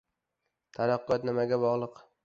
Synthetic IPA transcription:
t̪ʰaɾaqːɒt̪nɪmaɡʲabɒʁlˠɨq

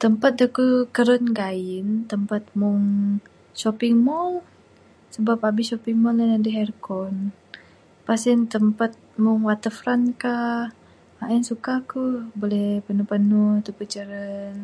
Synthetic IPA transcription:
t̪əmpat̪̚dəkukəɾənɡaɪnt̪əmpat̪̚mʊŋ | ʃɔpɪŋmɔl | səbap̚abɪʃɔpɪŋmɔlənadəɦɛrkɔn | pasint̪əmpat̪̚mʊŋwat̪əfɾanka | aʔənsukakubolɛpənupənut̪upət͡ʃəɾən

